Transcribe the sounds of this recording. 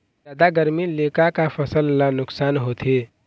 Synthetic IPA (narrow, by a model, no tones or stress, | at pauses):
aːd̪aɡəɾmilekakapʰəsəlːanʊksaːnɦoːt̪ʰe